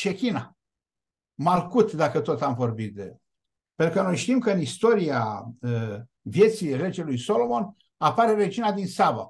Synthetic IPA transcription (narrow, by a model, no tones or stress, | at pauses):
ʃekʲina | malkut̪d̪akət̪o̞t̪amvo̞rbit̪̚d̪e | pent̪ɾukəno̞jʃt̪imkəɨnist̪o̞ɾia | vje̞t̪sire̞d͡ʒe̞lujso̞lo̞mo̞n | apaɾered͡ʒinad̪insava̰